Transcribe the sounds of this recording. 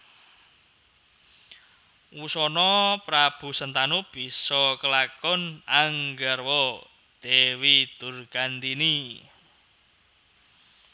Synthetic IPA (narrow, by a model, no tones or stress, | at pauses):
usɔnɔpɾab̥ṳsənt̪anub̥i̤sɔkəlakɔnaŋɡərwɔ | d̪̥ewid̪̥urɡ̥ant̪ini